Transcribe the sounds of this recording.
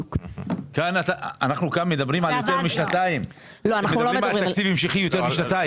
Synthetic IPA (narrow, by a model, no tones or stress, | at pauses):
kanat̪aanaχnukanmed̪abʁimʕaljot̪eʁmiʃnat̪aim | loanaeudloɾimalt̪akt͡sifemʃiχijo̞t̪eʁbiʃnat̪aji